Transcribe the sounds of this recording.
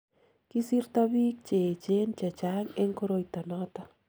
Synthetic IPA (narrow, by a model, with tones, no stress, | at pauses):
ki˦sirt̪abi˦k̚t͡ʃe˨t͡ʃent͡ʃa˨t͡ʃa˦ŋe˦ŋkoɾojt̪a˨nɔt̪a